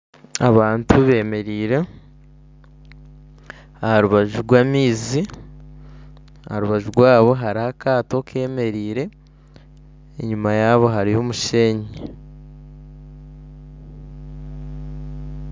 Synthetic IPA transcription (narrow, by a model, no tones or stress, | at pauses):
aβaːntuβe̞me̞ɾiːɾe | ahaɾuβaʒuɾɡwaːmiːzi | ahaɾuβaʒuɾɡwaːβo̞ɦaɾihakaːto̞kʰe̞ːme̞ɾiːɾe̞ | ɲumajaːβo̞ɦaɾijomuʃe̞ːɲi